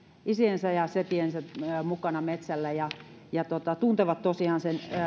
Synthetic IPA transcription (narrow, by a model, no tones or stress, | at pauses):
isiensæjɑset̪iensætəmukɑnɑmet̪sælːæjɑ | jɑt̪ot̪ɑt̪unt̪eʋɑt̪t̪osiɑnsen